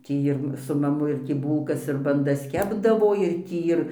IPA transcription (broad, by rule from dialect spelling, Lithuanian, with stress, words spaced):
ˈtʲiː ɪr sʊ mɐˈmʊ ɪr ˈtʲiː ˈbuːlˠkɐs ɪr bɐnˈdɐs ˈkʲæːbdɐʋoː ɪr tʲiː ɪr